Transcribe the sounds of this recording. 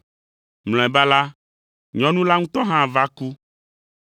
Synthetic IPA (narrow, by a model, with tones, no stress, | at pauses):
ml̃ɔ̃˨ɛ˨ba˦la˦ | ɲɔ̃˨nũ˦la˦ŋũ˦t̪ɔ˦ɦã˦˨va˦ku˦